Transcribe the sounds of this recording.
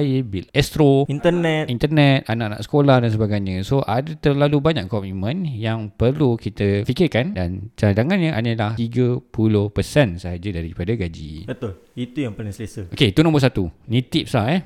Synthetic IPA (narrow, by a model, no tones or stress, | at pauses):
ibilɛst̪ɾoint̪ənɛt̪ʔint̪ərnɛt̪̚anaʔana̰ʔsə̥kolahdansəbaɡajɲə̃soʔadət̪ərlalubaɲaʔkɔmimə̃njaŋpərlukit̪əfikɪrkandant͡ʃadaŋanɲə̃ʔanəlaht̪iɡəpulʊhpəsɛnsəɦad͡ʒadaɾipadaɡad͡ʒḭbət̪ʊl | it̪ujaŋpəlɪŋsəasəoket̪unɔ̃bəsat̪unĩt̪iʔp̚slaɛ